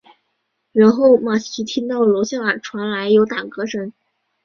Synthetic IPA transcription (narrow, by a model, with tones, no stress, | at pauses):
ɻa˧˥nxo˥˩ʊma˥˩ɕʰi˧˥t̪ʰi˥nt̪ɑ˥˩ʊlo˧˥ʊɕjɑ˥˩ə˞˨˩ʈ͡ʂʰwa˧˥nla˧˥ɪjo˧˥ʊt̪a˨˩ŋkɤ˧˥ʂə˧˥ŋ